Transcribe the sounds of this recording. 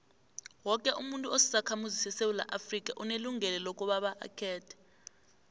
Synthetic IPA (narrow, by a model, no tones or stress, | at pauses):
wɔkʼɛʔumuntʼuosi̥sakʰamuzisɛsewula̰ʔafrik̬ʼaʔuneluŋɛlɛlokʼuɓaɓaʔa̰kʰɛːtʰɛ̥